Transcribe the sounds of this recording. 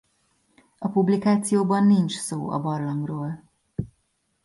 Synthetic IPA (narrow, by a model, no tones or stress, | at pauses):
ɒpublikaːt̪sijoːbɒnːint͡ʃsoːɒ̰bɒrlɒŋɡroːl